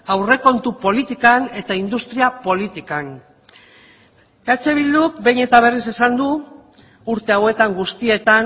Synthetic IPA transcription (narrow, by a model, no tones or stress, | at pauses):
awre̞ko̞nt̪upo̞lit̪ikane̞t̪aind̪ust̪ɾiapo̞lit̪ikan | eat͡ʃe̞β̞ild̪ukbe̞jɲe̞t̪aβ̞e̞rise̞sand̪u | uɾt̪e̞awe̞t̪aŋɡust̪ie̞t̪an